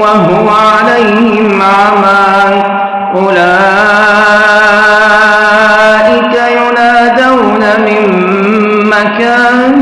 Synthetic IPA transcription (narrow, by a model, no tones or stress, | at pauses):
waɦʊmʕalajhɪm | ʕma | ʔʊlaː | ʔɪkajʊnaːd̪aw | namɪmː | akaːn